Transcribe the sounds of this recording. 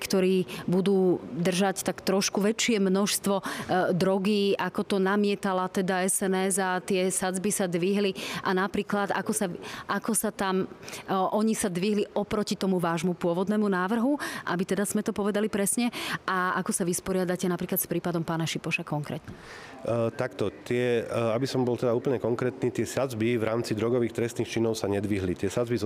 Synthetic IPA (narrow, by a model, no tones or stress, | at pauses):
kt̪ɔɾiːbud̪uːd̪r̩ʒact̪akt̪ɾɔʃkuʋɛt͡ʃɪɛmnɔʃst̪ʋɔd̪ɾɔɡiːʔakɔt̪ɔnamɪɛt̪alat̪ɛd̪aɛsɛnɛzat̪ɪɛsad͡zbisad̪ʋiɦliʔanapɾiːklad̪a̰kɔsaʔakɔsat̪amʔɔɲisad̪ʋiɦliʔɔpɾɔcit̪ɔmuʋaːʒmupʊɔʋɔd̪nɛːmunaːʋr̩ɦuʔabit̪ɛd̪az̥mɛt̪ɔpɔʋɛd̪alipɾɛsɲɛʔaakɔsaʋispɔɾɪad̪acɛnapɾiːklat̪spɾiːpad̪ɔmpaːnaʃipɔʃakɔŋkɾɛ̰ːt̪ɲɛ | t̪akt̪ɔt̪ɪɛabisɔmbɔlt̪ɛd̪auːpl̩ɲɛkɔŋkɾɛːt̪niːt̪ɪɛsad͡zbivɾaːmt͡sid̪ɾɔɡɔʋiːxt̪ɾɛst̪niːxt͡ʃinɔʊsaɲɛd̪ʋiɦlit̪ɪɛsad͡zbi